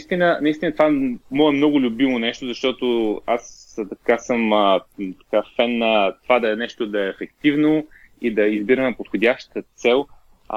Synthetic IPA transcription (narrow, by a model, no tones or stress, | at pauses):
st̪inənɐist̪inət̪ovamɔɛmnɔɡʊlʲʊbimonɛʃt̪ozɐʃt̪ɔt̪oast̪ɐkasəmt̪ɐ̥kafɛnːɐt̪ovad̪ɐɛnɛʃt̪od̪ɐɛːfɛkt̪ivno | id̪ɐizbiɾɐmɛpot̪xodʲaʃt̪t̪ət̪sɛlˠ